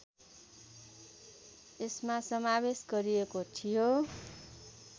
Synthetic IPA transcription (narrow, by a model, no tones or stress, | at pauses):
esmasʌmabesɡʌɾiekot̪ʰijo